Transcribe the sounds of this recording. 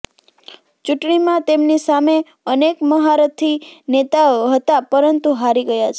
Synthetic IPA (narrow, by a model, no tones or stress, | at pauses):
t͡ʃuʈɳimãt̪emnisame | ənekməɦaɾət̪ʰinet̪aɦət̪apəɾənt̪uɦaɾiɡəjat͡ʃʰe